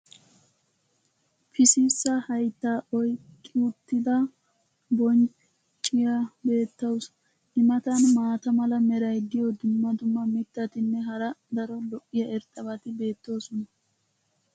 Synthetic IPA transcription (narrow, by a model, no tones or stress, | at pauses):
pʰɪsɪsːɐhɐjt̪ːaːʔɔjkʼːɪʊt̪ːɪd̪ɐ | bɔnt͡ʃ | t͡ʃʼːɪjɐbe̞ːt̪ːɐws | ʔɪmɐt̪ɐnmaːt̪ɐmɐlɐmɛɾɐjd̪ɪjɔd̪ʊmːɐd̪ʊmːɐmɪt̪ːɐt̪ɪnːɛɦɐɾɐd̪ɐɾɔlɔʔːɪjɐʔɛɾt̪ʼːɐβɐt̪ɪbe̞ːt̪ːo̞ːsɔnɐ